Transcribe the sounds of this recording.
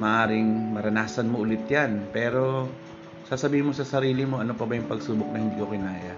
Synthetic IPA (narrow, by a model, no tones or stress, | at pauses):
mɐʔaːɾɪŋmɐɾɐnaːsɐnmoʔʊlɪt̪̚janpɛːɾo̞ | saːsɐbiːhɪnmo̞sɐsɐɾiːlɪmo̞ʔɐnopɐbajʊŋpɐɡsuːbok̚nɐhɪnd̪iːkokɪnaːja